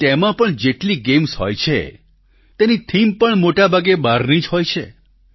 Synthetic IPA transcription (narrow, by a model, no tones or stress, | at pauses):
t̪emãpəɳd͡ʒeʈliɡemshɦɔ̰jt͡ʃʰḛ | t̪enit̪ʰimpəɳmoʈabʱaɡebaɾnid͡ʒɦɔjt͡ʃʰḛ